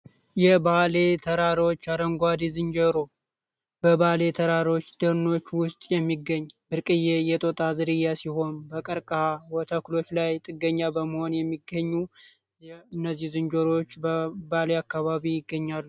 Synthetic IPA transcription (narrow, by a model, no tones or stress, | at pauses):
jɛbale̞t̪ʰəɾaɾo̞t͡ʃːaɾəŋɡʷad̪izɨnd͡ʒəɾo | bəβale̞t̪ʰəɾaɾo̞t͡ʃːd̪̥ɨɾno̞t͡ʃːwʊst̪ʼjɛmːiɡəɲːbɨɾkʼɨjejɛt̪ʼo̞t̪ʼazɨɾɨjːasiho̞nbəkʼəɾkʼhawɔt̪ʰaklo̞t͡ʃːlajt̪ʼɨɡəɲːabəməho̞njɛmːiɡəɲːu | ɨnːəzːihzɨnd͡ʒəɾo̞t͡ʃːbəbaleakːaβaβijɪɡːəɲːalːu